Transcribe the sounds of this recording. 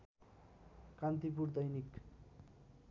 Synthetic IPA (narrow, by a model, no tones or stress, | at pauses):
kant̪ip̬uɾd̪ʌjnik